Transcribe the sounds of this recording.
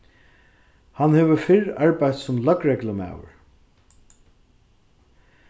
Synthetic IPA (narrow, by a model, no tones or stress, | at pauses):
hanhɛːʋəfɪɹaɹpajt̪sʊmlœkɹɛkləma̰ːwə̰ɹ